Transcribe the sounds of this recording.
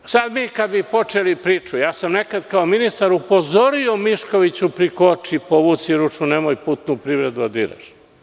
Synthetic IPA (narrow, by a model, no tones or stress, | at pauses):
sad̪mikad̪bipo̞t͡ʃelipɾiːt͡ʃujaːsamnekad̪kaominist̪aɾupo̞zoɾiomiʃko̞ʋit͡ɕupɾikot͡ʃipoʋut̪siɾut͡ʃunemojpuːt̪nupɾiʋɾed̪uad̪ḭɾa̰ʃ